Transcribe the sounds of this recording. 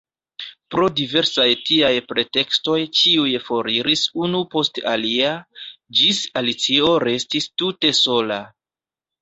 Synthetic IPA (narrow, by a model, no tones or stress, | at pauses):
pɾo̞dive̞ɾsajtiajpɾe̞te̞ksto̞jt͡ʃiujfo̞ɾiɾisunupo̞sta̰liad͡ʒisalit͡sio̞ɾe̞stistute̞so̞la